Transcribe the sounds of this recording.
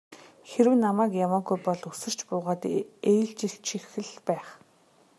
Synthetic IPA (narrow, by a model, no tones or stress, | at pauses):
xeɾɘ̆wnamæːkjamaːɡujpɔɮusɘ̆r̥t͡ɕpʊːʁaːt̪ejɮt͡ɕĭt͡ɕʰixɘ̆ɮpæːχ